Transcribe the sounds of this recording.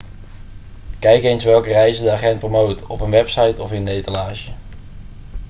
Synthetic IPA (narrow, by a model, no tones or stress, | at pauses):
kɛjkejnsʋɛlˠkərɛjzədəaːχɛnt̚promowtɔpənʋɛpsɑjtɔfɪnejtəlaːʒə